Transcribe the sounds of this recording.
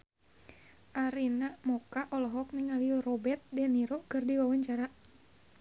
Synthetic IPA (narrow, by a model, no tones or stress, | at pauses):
ʔaɾinamɔkaʔɔlɔɦɔk̚niŋalirɔbɛt̪̚dɛniɾɔkɨrdiwawaɲt͡ʃaɾa